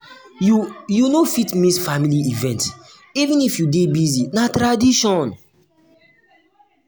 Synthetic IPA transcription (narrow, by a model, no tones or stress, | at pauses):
ujunofitmĩsfamiliivɛ̃nt | ivĩnifjudebizinatɾadiʃɔ̃n